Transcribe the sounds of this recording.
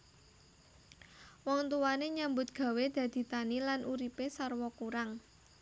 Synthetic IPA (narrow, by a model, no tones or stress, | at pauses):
wɔŋt̪uwaneɲambʊt̪̚ɡ̥ä̤wed̪̥ä̤d̪̥i̤t̪anilanʔuɾipesarwɔkuɾaŋ